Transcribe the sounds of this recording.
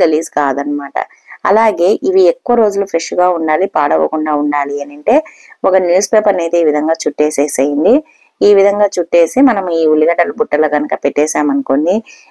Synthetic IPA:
eliːskaːd̪ɐnːɐmaːʈɐ̰ | ɐ̰laːɡe̞ːʔiʋiekːuʋɐɾo̞ːd͡ʒulupʰɾeʂuɡaːuɳɖaːlipaːɽɐʋɐ̰kuɳɖaːuɳɖaːliɐnɐɳʈe̞ː | ɔkɐnjuːspeːpɐɾɐneːd̪eiːʋid̪ʱɐŋɡaːt͡ʃuʈːeːseːsɐjind̪i | iːʋid̪ʱɐŋɡaːt͡ʃuʈːe̞ːsimɐnɐmuiːulːiɡɐɳɖɐlɐbuʈːɐlɐɡɐnɐkɐpeʈːɛːsaːmɐnuko̞nːi

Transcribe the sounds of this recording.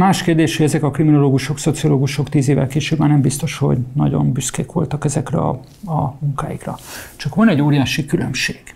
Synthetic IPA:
maːʃkeːrd̪eːʃhoɟɛzɛkɒkrimino̞loːɡuʃo̞kso̞t̪sioloːɡuʃo̞kt̪iːzeːvɛ̰lkeːʃøːbanɛmbist̪o̞ʃho̞̰ɟnɒ̰ɟo̞̰mbyskḛːkʋo̞̰lt̪ɒkɛzɛkrɛ̰ɒ̰ | ɒmuŋkaːjikrɒ̰t͡ʃɒkʋɒnɛɟoːɾijaːʃikylø̰mʃeːɡ̥

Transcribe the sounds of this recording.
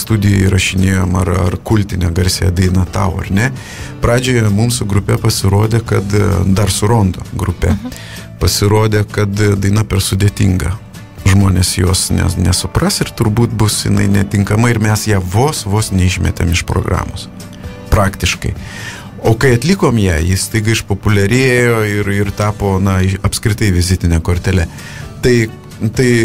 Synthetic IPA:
st̪ud̪ʲɪjoɪɾɐʃʲɪnʲeːjoːmɐrɐ̰rkʊlʲt̪ʲɪnʲɛɡɐɾʲsʲejɛd̪ɐɪnɐt̪ɐ̰ʊɐ̰rnʲɛ | pɾɑːd͡ʒʲoːjɛmʊmsʊɡɾʊpʲɛpɐsʲɪɾoːd̪ʲeːkɐt̪d̪ɐrsʊɾoːnd̪o̰ːɡɾʊpʲɛ | pɐsʲɪɾoːd̪ʲeːkɐt̪d̪ɐɪnɐpʲɛɾsʊd̪ʲeːt̪ʲḭːŋɡɐ̰ | ʒmoːnʲeːsjoːsnʲɛ̰nʲɛsʊprɐsɪrt̪ʊɾbuːt̪bʊsjɪ̰nɐ̰ɪnʲɛt̪ʲɪŋkɐmɐɪɪɾmʲɛsjæːʋoːsʋoːsnʲɛɪʃʲmʲɛ̰t̪ʲḛmɪʃpɾo̰ːɡɾɑ̰ːmoːs | pɾɑːkt̪ʲɪʃkɐ̰ɪ | oːkɐɪɐt̪ʲlʲikoːmjæːjɪst̪ɐɪɡɐɪɪʃpoːpʊlʲɛɾʲeːjoːɪɾɪrt̪ɑːpoːnɐɪɐpskɾʲɪt̪ɐɪʋʲɪzʲɪt̪ʲɪnʲɛkoːɾʲt̪ʲɛlʲɛ | t̪ɐɪ | t̪ɐɪ

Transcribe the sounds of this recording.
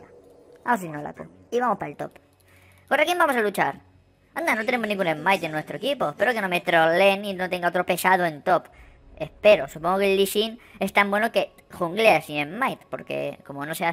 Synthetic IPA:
a | aws̬inola̰ko̰ | iβamo̞spaelt̪o̞̰p | korakimbamo̞salut͡ʃaɾ | and̪anot̪e̞ne̞mo̞znĩŋɡunemajt̪enːwest̪ɾoekipo̞epe̞ɾo̞ke̞no̞met̪ɾo̞le̞nino̞t̪e̞ŋɡaot̪ɾo̞pe̞sað̞oe̞nt̪o̞p | e̞spe̞ɾo̞supoŋɡo̞kelːiʃine̞st̪ambwe̞no̞ke̞ | xuŋɡleasiemmajt̪po̞̰ɾke̞̰ko̞mo̞no̞sea

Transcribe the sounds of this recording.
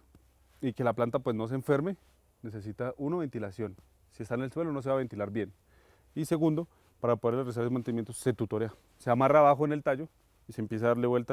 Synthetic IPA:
ike̞laplant̪apwe̞zno̞s̬eːɱfe̞ɾme | ne̞s̬e̞s̬it̪aʔunoβe̞nt̪ilasjo̞n | sie̞st̪aene̞lswe̞lo̞nos̬eβaβe̞nt̪ilaɾbje̞n | ise̞ɣund̪o | paɾapo̞ðeɾlresaɾesmant̪enimjent̪osːe̞t̪ut̪o̞ɾea | seamaraβaxoene̞lt̪aʝo̞ | isempjesaðaɾle̞βwe̞lt̪a

